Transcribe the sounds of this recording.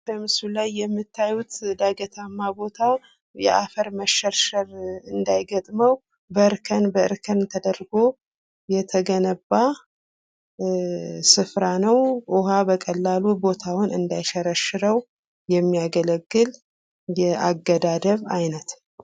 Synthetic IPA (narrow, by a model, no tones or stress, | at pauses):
bəmɨsulajːɛmːɨt̪ːajut̪d̪aɡət̪ʰamːabo̞t̪ʰaw | jɛʔafəɾməʃɛɾʃəɾɨnd̪ajɡət̪ʼməw | bəɨɾkʰənbəɨɾkʰənt̪ʰəd̪əɾɡo | jɛt̪ʰəɡənəbːa | sɨfɾanəwʊɦabəkʼəlːalubo̞t̪ʰawʊnɨnd̪ajʃɛɾəʃɨɾəw | jɛmːijaɡələɡːɨl | jɛʔaɡːəd̪ad̪əβajnət̪